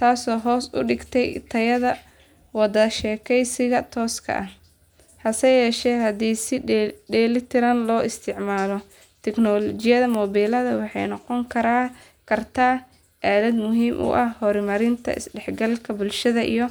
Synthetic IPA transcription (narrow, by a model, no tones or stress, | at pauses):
t̪ʰaːsɔːɦɔːsʊ̰ɖɪɡt̪ʰɛjt̪ʰɐjɐðɐ | wɑd̪ɐʃɛːkʰɛjsɪɣɐt̪ʰɔːskʰɐ̰ʔɐh | hɐsɛjɛːʃɛːɦɐd̪iːsɪɖɛːlɪt̪ʰɪɾɐnlɔːɪst̪ʰɪʕmaːlɔ | t̪ʰɛknɔlɔt͡ʃɪjɐðɐmɔːβiːlɐðɐwɑħɑ̰jnɔqɔŋkʰɐɾaː | kʰɐrt̪ʰaː | ʔaːðɐd̪mʊɦiːmʔʊ̰ʔɐhhɔɾmɐɾɪnt̪ʰɐ̰ʔɪ̰sɖɛħɡɐlkʰɐbʊlʃɐðɐʔḭjɔ